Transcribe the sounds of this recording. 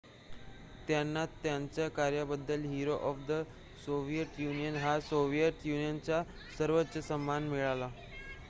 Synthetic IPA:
t̪janːat̪ːjaɲt͡ɕjakaɾjabəd̪ːəlɦiɾoʔɔfd̪ə | soʋijəʈjunijənɦasoʋijəʈjunijənt͡ɕa | səɾʋət̪ːɕəsəmːanmiɭala

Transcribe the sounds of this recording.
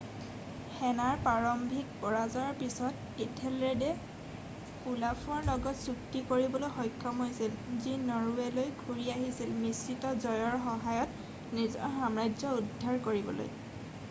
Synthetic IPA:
xɛnaɹpaɹɔmbʱik̚bɔɹazɔɹpisɔt | itʰɛlɛdɛ | ulapʰuɔɹlɔɡɔtsuktikoɹibɔlojxɔjkʰːɔmɦojsilzinɔɹuɛlojɡʰʱuɹiaɦisilmisːitɔzɔjɔɹxɔɦajɔt | nizɔ̰ɹxamɹajzɔudʱːaɹkoɹibɔlo̰j

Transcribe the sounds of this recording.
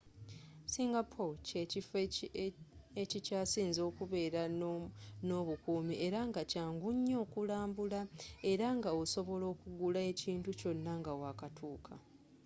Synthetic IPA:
siːŋɡapʰoceif | ecicaːsiːnzo̞ːkuβe̞ːɾa | no̞βukuːmiʔe̞ɾaŋɡacaːŋɡuɲːo̞ːkulaːmbulae̞ɾaŋɡaoso̞βo̞lo̞ːkuɡulae̞ciːntuco̞nːaŋɡawakatʰuːkʰa

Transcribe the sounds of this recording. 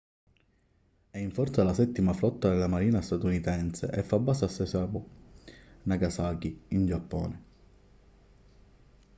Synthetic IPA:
ɛiɱfɔrt̪salasɛt̪ːimaflɔt̪ːad̪elamaɾiːnast̪at̪unit̪ɛnsḛʔɛfːabːaːsasːɛsabʊ | naɡasaːkiind͡ʒapːɔ̰ːne

